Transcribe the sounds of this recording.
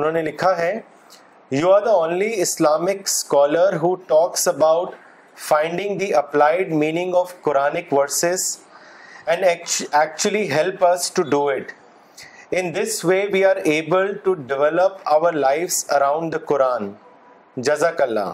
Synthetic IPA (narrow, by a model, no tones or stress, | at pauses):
ʊnõːnelɪkʰaɦɛ | juːaːɾd̪əõːnliɪslaːmɪkskɔːləɾɦuːʈɔːksəbaʊʈ | fãɪ̃ɳɖɪ̃ŋd̪iʔɐplaɪɖ̚mĩːnɪ̃ŋɡɔʋkʊɾaːnɪkʋəɾsɪz | ɛ̃ɳɖæk̚t͡ʃuəliɦɛlpɐsʈuɖuɪʈ | ɪ̃nd̪ɪsʋeːʋiːaːɾeːbəlʈuɖɪʋɛləpaʊəɾlaɪfsɐɾãʊ̃ɳɖd̪əkʊɾaːn | d͡ʒɐzakɐlːa̰